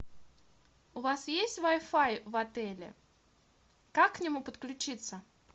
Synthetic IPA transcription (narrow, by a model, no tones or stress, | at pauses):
ʊvasjesʲtʲvajfajvɐt̪ɛlʲɪ̰ | kakːnʲɪmupət̪klʲʉt͡ɕit̪sə